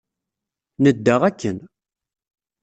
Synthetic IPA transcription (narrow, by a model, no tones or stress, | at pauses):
nəd̪ːaʁækːən